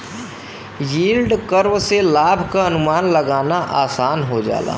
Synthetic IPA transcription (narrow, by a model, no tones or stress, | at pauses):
jiːlɖkəɾwselaːbʱkaɐnʊmaːnləɡaːnaʔaːsaːnɦod͡ʒa̰ːla̰ː